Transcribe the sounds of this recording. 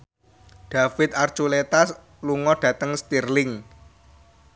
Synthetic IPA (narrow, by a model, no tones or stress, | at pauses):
ɖ̥ä̤fɪt̪̚art͡ʃulet̪as | luŋɔɖ̥ä̤t̪əŋst̪irlɪŋ